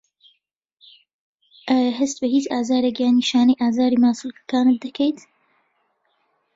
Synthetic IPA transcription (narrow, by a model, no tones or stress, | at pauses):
ʔaːjaɦɐst̪̚bɐhiːt͡ʃaːzaːɾekjaːniːʃaːnɐjʔaːzaːɾiːmaːsulkɐ̥kaːnɨt̪̚d̪ɐkʰejt̪